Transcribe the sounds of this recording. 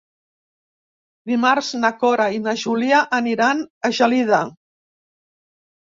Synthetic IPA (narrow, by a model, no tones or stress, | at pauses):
d̪imaɾznakoɾainaʒuliaʔːniɾanəʒaliða